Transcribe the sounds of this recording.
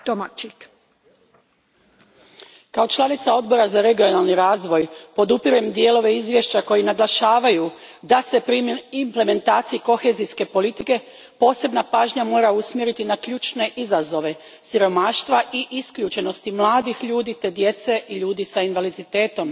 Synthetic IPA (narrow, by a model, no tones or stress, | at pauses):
t̪omat͡ʃik | kao̞t͡ʃlˠanit̪sao̞d̪bo̞ɾazaɾe̞ɡijo̞nalniɾaːzʋo̞jpo̞d̪upiɾuemd̪je̞lo̞ʋe̞izʋje̞ʃt͡ɕako̞jinaɡlˠaʃaːʋajud̪ase̞pɾiimple̞me̞nt̪aːt̪siiko̞xe̞zijske̞po̞lit̪ike̞ | po̞ːse̞bnapaːʒɲamo̞ːɾausmjeɾit̪inakʎuːt͡ʃne̞ʔizazo̞ʋe̞ | siɾo̞maːʃt̪ʋaʔiʔiskʎuːt͡ʃe̞no̞st̪imlˠaːd̪ixʎuːd̪it̪e̞d̪je̞t̪se̞ʔiʎuːd̪isainʋalid̪it̪e̞ːt̪o̞m